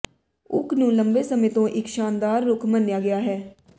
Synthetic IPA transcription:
ʊ̰kʰnũːləmbeːsəmɪt̪õːʔɪkʃaːnd̪aːɾːʊkʰmənjaːɡɪjaːɦɛː

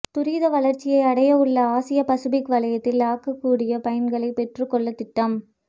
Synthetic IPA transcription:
t̪ʊɾiːðɐʋɐɭɐɾt͡ʃːɪjɐɪɐɽɐjɐʊɭːɐaːsɪjɐpɐsɯbɪkʋɐlɐjɐt̪ːɪlaːkːɐkːuːɽɪjɐpɐjɐnɡɐɭɐɪpɛʈrɯkːɔɭːɐt̪ːɪʈːɐm

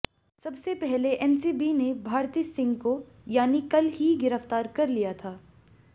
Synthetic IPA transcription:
sɐbsepɛɦleʔɛnsiːbinebʱaːɾt̪iːsɪ̃ŋɡko | jaːnikɐlɦiɡɪɾəft̪aːɾkɐɾlijat̪ʰaː

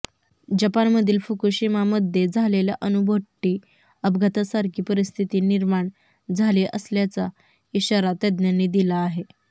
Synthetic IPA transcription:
d͡ʑəpanməd̪ʱiːlfukuɕimaməd̪ʱːjed͡zʱaleljaʔənubʱəʈːiː | əbʱɡʱət̪asaɾkʰiːpəɾist̪ʰit̪iːniɾmaɳ | d͡zʱaliʔəsljat͡sa | iɕaɾat̪əd̪njanːid̪ilaːɦe

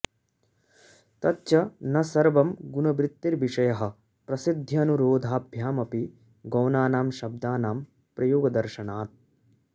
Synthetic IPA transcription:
t̪ɐtːt͡ʃɐnɐsɐɾʋɐmɡunɐbɾɪt̪ːiɾʋiʂɐjɐɦɐ̆ | pɾɐsid̪ʱjɐɐːnuɾoːd̪ʱaːbʱjaːmɐpi | ɡɐwnaːnaːmʃɐb̚d̪aːnaːm | pɾɐjoːɡɐd̪ɐɾʃɐnaːt̪̚

